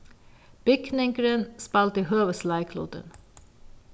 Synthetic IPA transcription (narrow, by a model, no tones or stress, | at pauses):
b̥ɪkʰnɪŋkəɾənspɑlt̪ihøːʋəslɑɪkʰlṵːd̪ə̰n